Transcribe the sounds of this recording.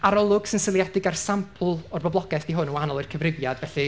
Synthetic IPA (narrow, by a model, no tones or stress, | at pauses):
aɾɔlˠʊɡ̥sɪnsɪlˠjadɪɡarsampʰl̩ˠɔrbɔblˠɔɡɛθd̥iɦʊnəwaanɔlˠɨrkʰəvrɪvjad̥vɛɬɨ